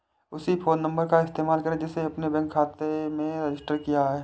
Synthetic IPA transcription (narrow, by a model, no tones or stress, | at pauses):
ʊsipʰoːnːɐ̃mbəɾkaɪst̪eːmaːlkɐɾed͡ʒɛseɐpnebɛ̃ːŋkʰːaːt̪emẽɾɪd͡ʒɪsʈəɾkijaɦɛː